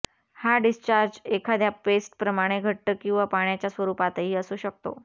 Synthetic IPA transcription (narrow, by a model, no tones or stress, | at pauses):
haɖist͡ɕaɾd͡ʑekʰad̪ʱjapesʈpɾəmaɽ̃eɡʱəʈ̚t̪əːkĩw̃ʋapaɳjat͡ɕjasʋəɾupat̪əɦiːəsuɕək̚t̪o̰